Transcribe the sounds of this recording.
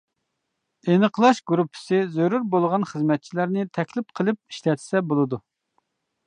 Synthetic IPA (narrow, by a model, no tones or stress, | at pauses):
enəqʰlˠɑʃɡɾupʰːɪ̥sɨzøɾuɾbolˠʁɑnχəzmɛt̪̚t͡ʃʰilæɾnɪt̪ʰɛkʲlɪp̚qʰəlˠɨp̚i̥ʃlɛt̪ʰsɛbolˠɨd̪u